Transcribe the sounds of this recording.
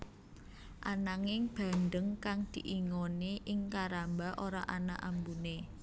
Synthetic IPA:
ʔanaŋɪŋb̥a̤ndəŋkaŋd̪̥i̤ʔiŋoniʔɪŋkaɾambaʔoɾaʔanaʔambune

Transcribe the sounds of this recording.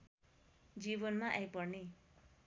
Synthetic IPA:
d͡zibʌnmaʔajpʌrne

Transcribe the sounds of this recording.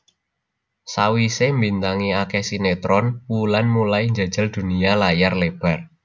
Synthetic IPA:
sawisembint̪aŋiakɛhsinet̪ɾɔnulanmulaiɲd͡ʒa̤d̥ʒ̥a̤ld̪̥ṳnialajarleb̥a̤r

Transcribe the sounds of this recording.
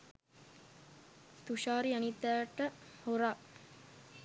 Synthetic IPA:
t̪uʃaːɾianit̪ːæːʈːəhoɾaː

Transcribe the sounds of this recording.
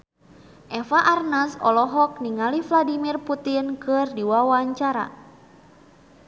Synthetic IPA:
ʔɛfaʔarnasɔ̰lɔɦɔk̚niŋalifladimirput̪inkɨrdiwawaɲt͡ʃaɾa̰

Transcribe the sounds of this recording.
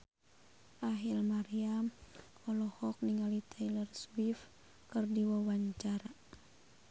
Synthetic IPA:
ʔaɦilmaɾiamkɔlɔhɔk̚niŋalit̪ʰalərswif | kɨrdiwawaɲt͡ʃaɾa

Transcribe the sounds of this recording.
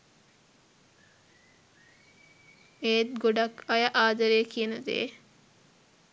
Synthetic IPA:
eːt̪̚ɡoɖɐkɐjɐʔaːd̪ɐɾeːkiənɐd̪ḛː

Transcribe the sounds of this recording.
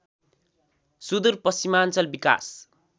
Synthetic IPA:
sud̪urpʌsimant͡sʌlbika̰s

